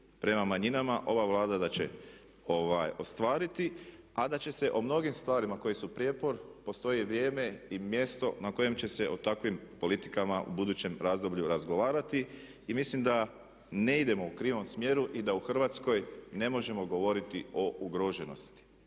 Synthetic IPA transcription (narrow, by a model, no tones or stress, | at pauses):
pɾe̞mamaɲinamaʔo̞ʋaʋlˠaːd̪ad̪at͡ɕe̞̰ | o̞ʋajo̞st̪ʋaːɾit̪i | ad̪at͡ɕe̞se̞ʔo̞mno̞ɡimst̪ʋaːɾimako̞jisupɾjeːpo̞ɾpo̞st̪o̞jiʋɾje̞ːme̞imje̞st̪o̞̰nako̞je̞mt͡ɕe̞se̞ʔot̪akʋimpo̞lit̪i̥kamaʔṵbud̪uːt͡ɕe̞mɾaːzd̪o̞bʎuɾazɡo̞ʋaːɾat̪iː | mislimd̪a | ne̞id̪e̞mo̞ukɾiːʋo̞msmje̞ɾuʔid̪auxr̩ʋat̪sko̞jne̞mo̞ʒe̞mo̞ɡo̞ʋo̞ɾit̪io̞ʔuɡɾo̞ʒe̞no̞̰st̪i̥